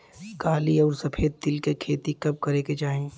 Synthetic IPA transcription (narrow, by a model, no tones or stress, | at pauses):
kaːliɔːɾsɐpʰeːd̪̚ːɪlkekʰeːt̪ikɐb̚kɐɾeːked͡ʒaːẽ